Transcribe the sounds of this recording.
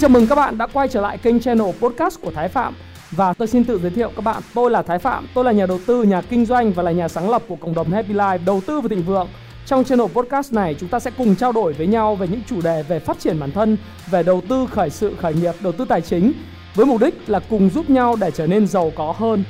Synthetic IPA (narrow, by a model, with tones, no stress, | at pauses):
t͡ɕə˧˩mɨ˨˩ŋkaː˦˥k̚ɓa̰ː˧˨nɗa̰ː˧˥kwa˧jt͡ɕəː˧˩la̰ː˧˨jkï˧ŋ̟t͡ɕɛ˧no˨˩po˦˥t̚kaː˦˥st̚ku˧˩ət̪ʰːjfa̰ː˧˨m | vaː˨˩t̪o˧jsi˧nt̪ɨ̰˧˨zəː˨˦t̪ḭ˧˨ə˨wkaː˦˥k̚ɓa̰ː˧˨nt̪o˧jlaː˨˩aː˨˦jfa̰ː˧˨mt̪o˧jlaː˨˩ɲaː˨˩ɗə˨˩wt̪ɨ˧ɲaː˨˩kï˧ŋ̟zwa˧jŋ̟vaː˨˩laː˨˩ɲaː˨˩saː˨˦ŋlə˨˩p̚ku˧˩əkə̰˧˨wŋ͡mɗə˨˩wŋ͡mhɛ˧pi˧laː˧jɗə˨˩wt̪ɨ˧vaː˨˩˨ï˨ŋvɨ̰˧˨əŋ | t͡ɕɔ˧wŋ͡mt͡ɕɛ˧no˨˩po˦˥t̚kaː˦˥sna˨˩jt͡ɕʊ˨˦ŋ͡mt̪aː˧sɛ̰˧˥kʊ˨˩ŋ͡mt͡ɕaː˧wɗo˧˩jvəː˨˦jɲa˧wve˨˩ɲɨ̰˧˥ŋt͡ɕu˧˩ɗe˨˩ve˨˩faː˦˥t̚t͡ɕi˧˩ənɓaː˧˩nt̪ʰə˧n | ve˨˩ɗə˨˩wt̪ɨ˧xəː˧˩jsɨ̰˧˨xəː˧˩jŋi˨˩əp̚ɗə˨˩wt̪ɨ˧t̪aː˨˩jt͡ɕï˨˦ŋ̟ | vəː˨˦jmʊ˨˩p̚ɗï˦˥k̟̚laː˨˩kʊ˨˩ŋ͡mzu˦˥p̚ɲa˧wɗe˧˩t͡ɕəː˧˩ne˧nzə˨˩wkɔ˨˦ɦəː˧n